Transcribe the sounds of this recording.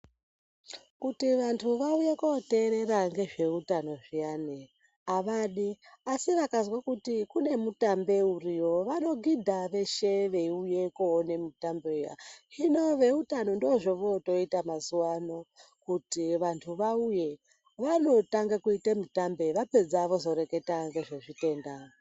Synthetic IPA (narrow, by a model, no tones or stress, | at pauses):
kutiʋantʰuʋauje̞kote̞ːɾe̞ɾaŋɡe̞ʐe̞utano̞ʐiane | aʋaɗiasiʋakazwakutikune̞mutambe̞urio̞ʋano̞ɡʱidʱaʋe̞ʃe̞ʋe̞iujekuone̞mutambe̞uja̰ino̞ʋe̞utano̞ndoʐo̞ʋoto̞itamazuwano̞kutiʋantʰuʋauje̞ | ʋano̞taŋɡakuitemutambe̞ʋape̞d͡zaʋo̞zo̞ɾe̞ke̞taŋɡe̞ʐeʐite̞ndao